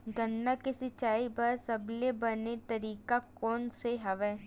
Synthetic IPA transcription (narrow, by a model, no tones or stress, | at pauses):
ɡɐnːakesɪt͡ʃaːibɐɾsɐblebɐnet̪ɐɾiːkakɔːnseɦɐʋɛː